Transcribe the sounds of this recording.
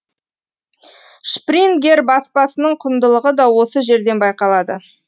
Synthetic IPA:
ʃprinɡʲe̞rbɑspɑsənəɴqʰʊnd̪əlˠəʁəd̪ɑwo̞səʒe̞ɾd̪e̞nbɑjqɑlˠɑd̪ə

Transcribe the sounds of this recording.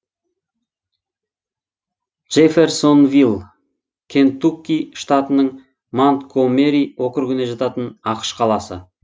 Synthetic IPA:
ʒ̥efe̞rso̞nvilˠ | kʲʰe̞nt̪ukʲːiʃt̪at̪ənəɴ | mant̪kʰome̞ɾiwo̞qəɾkʲɪneʒɑt̪ɑt̪ənɑqə̥ʃqʰɑlˠɑsə̰

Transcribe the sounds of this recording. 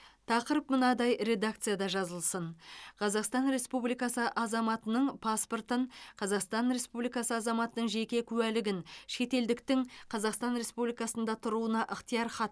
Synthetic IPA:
t̪ʰɑqəɾəpmənɑd̪ɑjɾe̞d̪ak̚t̪sɨjad̪ɑʒɑzəlˠsənqʰɑzɑqst̪ɑnɾe̞spublijkɑsəʔɑzɑmɑt̪ənəɴpʰɑspo̞rt̪əɴqʰɑzɑqst̪ɑnɾe̞spublijkɑsəɑzɑmɑt̪ənəɴʒe̞kʲe̞kʲʰʉwælɪɡʲɪnʃe̞t̪e̞ld̪ɪkt̪ɪŋqʰɑzɑqst̪ɑnɾe̞spublijkɑsənd̪ɑt̪ʰʊɾuənɑʔəqt̪əjɑɾχɑt̪

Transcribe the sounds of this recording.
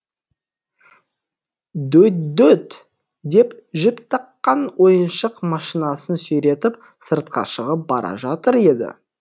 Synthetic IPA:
d̪ɵt̪d̪ɵt̪ | d̪e̞pʒɪpt̪ʰɑqːɑnwo̞jənʃəqmɑʃinɑsənsɵjɾe̞t̪ɪp | səɾt̪̚qɑ̰ʃəʁəp̚bɑ̰ɾɑ̰ʒɑt̪əɾe̞d̪ɪ̰

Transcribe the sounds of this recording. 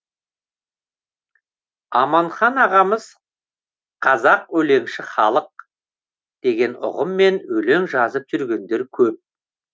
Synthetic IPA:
ɑmɑɴχɑnɑʁɑməz̥ | qʰɑzɑqwɵle̞ŋʃɪχɑlˠəq̚ | d̪̥e̞ɡʲe̞nʊ̰ʁəmːe̞nɵle̞ŋʒɑzəp̚ʒʏɾɡʲe̞nd̪e̞ɾkʲʰɵp̚

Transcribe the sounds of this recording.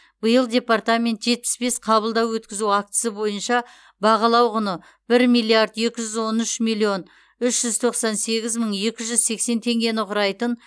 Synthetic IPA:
bəjəlˠdʲe̞part̪amʲe̞nt̪ʒe̞t̪̚pɪ̥sbe̞sqʰɑbəlˠd̪ɑwwɵt̪kʲɪzuak̚t̪əsəbo̞jənʃɑ | bɑʁɑlˠɑwʁʊnə | b̥ɪɾmijlˠiaɾd̪je̞kʲɪʒʏzwo̞nʏʃmilʲˠio̞n | ʏʃʒ̥ʏzt̪ʰo̞qsɑnse̞ɡʲɪzməɴje̞kʲɪʒʏzse̞kse̞nt̪ʰe̞ŋɡʲe̞nɪqʰʊɾɑjt̪ən

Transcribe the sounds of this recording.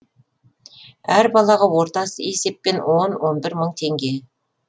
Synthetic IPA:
æɾbɑlˠɑʁɑwo̞ɾt̪ɑsəe̞se̞pːe̞nwo̞nwo̞nbɪɾməɴt̪ʰe̞ŋɡʲe̞

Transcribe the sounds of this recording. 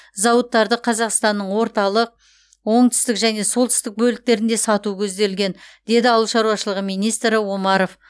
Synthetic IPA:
zɑwət̪ːɑɾd̪əqʰɑzɑqst̪ɑnːəɴwo̞ɾt̪ɑlˠəq̚ | wo̞ɴt̪ʰʏ̥st̪ɪkʒæne̞so̞lˠt̪ʰʏ̥st̪ɪk̚bɵlɪk̚t̪e̞ɾɪnd̪e̞sɑt̪ukʲʰɵzd̪e̞lɡʲe̞nd̪̥e̞d̪ɪɑwˠlˠʃɑɾuɑʃəlˠəʁəmijnijst̪ɾɪwo̞mɑɾo̞f

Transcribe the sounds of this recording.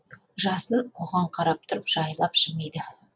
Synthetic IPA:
ʒɑsənwoʁɑɴqʰɑɾɑp̚t̪ʰʊɾəpʒ̥ɑjlˠɑpʒ̥ɪmejd̪ɪ

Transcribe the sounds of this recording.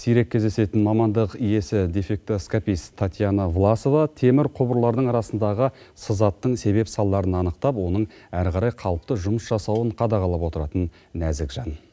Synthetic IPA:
sijɾe̞kʲʰːezd̪e̞se̞t̪ɪnmɑmɑnd̪əqije̞sɪd̪efe̞k̚t̪oskapist̪ʰat̪ʲjanavlˠaso̞vɑt̪ʰe̞mɪɾqʰʊbəɾlˠɑɾd̪əɴɑɾɑsənd̪ɑʁə | səzɑt̪ːəɴse̞βe̞psɑlˠːɑɾənɑnəqt̪ɑpwo̞nəɴæɾqɑɾɑjqʰɑlˠəp̚t̪əʒʊməsʒɑsɑwəɴqʰɑd̪ɑʁɑlˠəpwo̞t̪əɾɑt̪ənː | æzɪkʒɑn

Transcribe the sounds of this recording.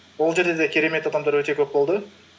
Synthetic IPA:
olˠd͡ʒe̞ɾd̪e̞d̪ekʲiɾeme̞t̪ɑd̪ɑmd̪ɑɾøt̪e̞køp̚bolˠd̪ʊ

